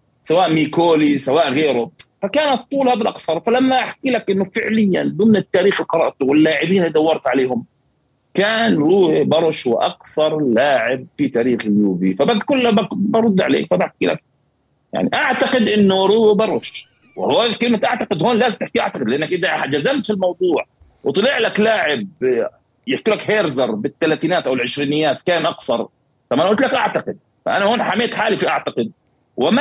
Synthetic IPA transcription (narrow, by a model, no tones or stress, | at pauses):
sawaːʔmiːkoːlisawaːʔɣeːɾʊfakaːnɑt̪ˤːuːlhaːbalʔɑksɑɾˤfalamːaʔaħkiːlakʔɪnːʊfɪʕlɪjːa̰nd̪ʊmnɪt̪ːaːɾiːxɪlqɑɾˤɑ̰ʔt̪ʊwɪlːaːʕɪbiːnɪd̪awːɑɾˤt̪ʕaleːhʊm | kaːnɾuːbɑɾˤʃwɪ̰ʔɑ̰ksɑɾˤlaːʕɪb̚fit̪aːɾiːxɣjuːbḭfabad̪kʊlːabbɑɾˤʊd̪ːʕa̰lḛːkfabaħkiːla̰k̚ | ja̰ʕnḭʔaʕt̪aqɪd̪ʔɪnːʊɾuːbɑrˤːʊʃ | wɪhoːkɪlmat̪ʔaʕt̪aqɪd̪hoːnlaːzɪmt̪ɪħkiʔaʕt̪ɑqɪd̪lɪʔanːak̚ʔɪd̪aad͡ʒazːamt̪filmɑwd̪ˤuːʕ | wt̪ˤɨlɪʕlaklaːʕɪb̚ | jɪħkulakheːɾzɑɾˤbɪt̪ːalaːt̪iːnaːt̪ʔawɪlʕɪʃɾiːnɪjːaːt̪kaːnʔɑqsɑɾˤ | ʔamːʔanaʔʊlt̪lakʔaʕt̪aqɪd̪̚ | fa̰ʔanahoːnħameːt̪ħaːlifiʔaʕt̪aqɪd̪̚ | wɪm